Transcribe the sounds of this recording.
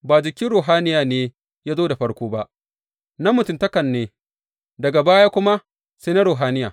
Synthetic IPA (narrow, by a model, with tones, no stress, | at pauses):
baː˨d͡ʒɪ˨kʲi˦ɽoː˨ɦaː˦nɪ˦jaː˨neː˨˦ | jaː˦zoː˦da˨ɸɐ˦ɽkʷoː˦ba˦ʔ | na˦mʊ˨tʊ˨ntɐ˦kɐ˨nːeː˨ | dɐ˨ɡa˨baː˦jaː˦kʷʊ˦ma˦ | seː˦na˦ɾoː˨ɦaː˦nɪ˦ja̰ː˨